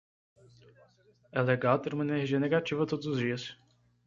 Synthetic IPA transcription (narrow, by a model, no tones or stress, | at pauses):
ɛleɡawt̪eɾumɐeneeɾʒiɐneɡat͡ʃivɐt̪od̪ʊzʊzd͡ʒiɐs